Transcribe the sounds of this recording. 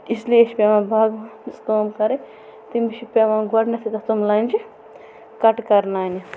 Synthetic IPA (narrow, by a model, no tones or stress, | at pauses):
islieʃipʲemãːbʱaːɡst̪oːmkɐɾe | t̪imiʃipeʋãːɡɐɽnɐt̪ʰit̪ɐt̪umlɐnʲd͡ʒi | kɐʈkɐɾnaːni